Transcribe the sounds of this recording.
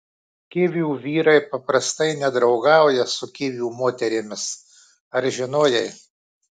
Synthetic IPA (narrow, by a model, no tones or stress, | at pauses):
kʲɪʋʲuːʋʲiːɾɐɪpɐpɾɐst̪ɐɪnʲɛd̪ɾɒʊɡɑˑʊjɛsʊkʲɪʋʲuːmoːt̪ʲɛɾʲɪmʲɪs | ɐɾʒʲɪnoːjɛɪ